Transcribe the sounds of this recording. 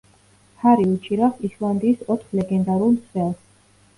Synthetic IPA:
hʰaɾiut͡ʃʼiɾaχislˠand̪iːsɔt̪ʰχlɛɡɛnd̪aɾulˠmt̪sʰwɛlˠs

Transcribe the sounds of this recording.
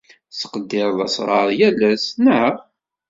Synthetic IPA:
sə̥qəd̪ːɪɾˤðˤɑ̰sˤɾˤɑɾˤjælæsnə

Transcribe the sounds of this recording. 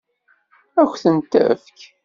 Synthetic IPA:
æçʷθənt̪ə̰fk

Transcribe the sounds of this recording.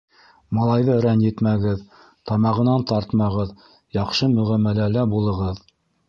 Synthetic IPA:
mɑlˠɑjðɤɾænjɘ̆t̪mæɡɘð | t̪ɑmɑʁɤ̆nɑnt̪ɑɾt̪mɑʁɤð | jɑqʃɤmɵ̆ʁæmːælælæbulˠɤ̆ʁɤð

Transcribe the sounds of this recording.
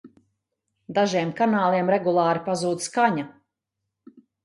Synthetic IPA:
d̪aʒiɛmkanaːlˠiɛmɾɛɡulˠɑːɾipazuːd̪skaɲa

